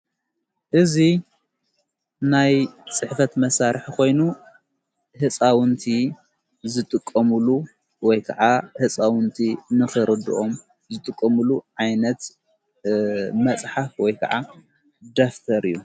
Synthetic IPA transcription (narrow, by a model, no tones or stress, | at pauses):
ʔɨzi | najt͡sʼɨħfɐt̪mɐsaɾħkʰo̞jnu | hɨt͡sʼawɨnt̪ʰi | zɨt̪ʼɨkʼːɐmulu | wɔjkʰɐʕahɨt͡sʼawɨnt̪ʰinɨxɨɾɨd̪ɨ̰ʔo̞m | zɨt̪ʼɨkʼːɐmuluʕajnɐt̪ | mɐt͡sʼħafwɔjkʰɐ̰ʕa | d̪ɐft̪ʰɐɾɨjːu